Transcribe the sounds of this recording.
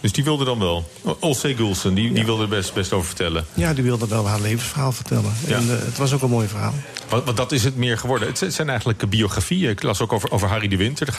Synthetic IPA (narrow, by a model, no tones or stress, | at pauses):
d̥ɵsdiʋɪlˠdədɑnʋɛlˠɔlˠsejɡulˠsəndidiʋɪlˠdəəɛstbɛstowvəɹvəɹtɛləjadiʋɪlˠdəʋɛlˠɦaːɹlejvənsfəɹɦaːlˠv̥əɹtɛlənjanətʋɑs̬owkənmoːjvəɹɦa̰ːlˠʋʋɑndɑtɪs̬ɦətmɪːɹχəʋɔɹdəəttsɛjnɛjχənləkəbioχrafijənɪklasowkowvəɹʔo̰wvəɹɦaridəʋɪntəɹdə